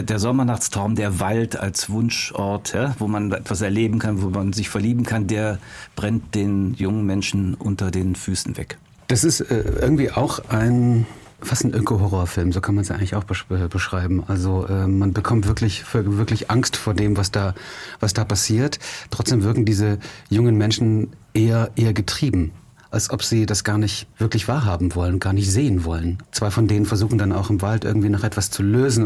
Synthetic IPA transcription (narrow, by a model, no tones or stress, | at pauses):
deːɐzɔmɐnaχt͡stʁ̥aʊmdeːɐvalta̰lsv̥ʊnʃʔɔɐthavoːmanʔɛtv̥asɛɐleːbm̩kʰanvoːmanzɪçfɛɐliːbm̩kʰandeːɐb̥ʁɛntd̥eːnjʊŋənmɛnʃn̩ʔʊ̰ntɐdeːnfyːsn̩vɛ̰k | d̥asɪstɛ̰ːʔɪɐɡŋ̩tv̥iːʔaʊxʔaɪn | fastn̩ʔɪkʰoɦɔʁoːɐfɪlmzoːkʰanmansjaɪŋlɪçaʊxb̥əɛːb̥əʃʁ̥aɪbm̩ʔalzoʔɛːmanbəkʰɔmtv̥ɪɐklɪçfoɐvɪɐklɪçʔaŋstfoːɐdeːmvasd̥aːv̥asd̥aːpʰasiːɐttːʁ̥ɔt͡sd̥eːmvɪɐkŋ̩diːzəjʊŋənmɛnʃn̩ʔeːɐʔeːɐɡətʁ̥iːbm̩ | ʔalsʔɔpz̥iːdasɡ̥aːɐnɪçtv̥ɪɐklɪçv̥aːɐɦaːbm̩vɔlənʊnɡ̥aːɐnɪçtz̥eːənvɔ̰lənt͡sv̥aɪfɔndeːnənfɛɐzuːxŋ̩dana̰ʊxɪmvaltʔɪ̰ɐɡŋ̩tv̥iːnaχʔɛtv̥ast͡suløːzn̩